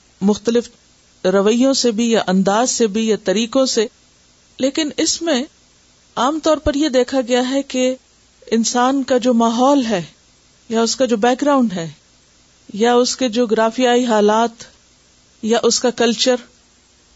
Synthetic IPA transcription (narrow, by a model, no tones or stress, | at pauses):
mʊxt̪əlɪf | ɾɐʋəjõsebʱijaʔɐ̃nd̪aːzsebʱijat̪ɐɾiːkõse | leːkɪnɪsmẽ | aːmt̪ɔːɾpɐɾjed̪eːkʰaɡɐjaɦɛke | ɪnsaːnkad͡ʒoːmaːɦɔːlɦɛː | jaʊskad͡ʒoːbɛːk̚ɡɾaːʊ̃ɳɖɦɛː | jaʊsked͡ʒoːɡɾaːfijaːiɦaːlaːt̪ | jaʔʊskakɐlt͡ʃəɾ